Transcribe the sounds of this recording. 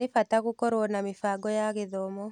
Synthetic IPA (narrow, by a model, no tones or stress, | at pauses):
ifatakukɔɾwɔnamifaɡɔjaɣeðɔːmɔ